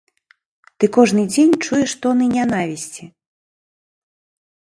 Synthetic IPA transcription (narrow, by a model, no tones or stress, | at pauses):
t̪ɨkɔʐnɨd͡zʲenʲt͡ʂujɛʂt̪ɔnɨnʲanavʲisʲt͡sʲi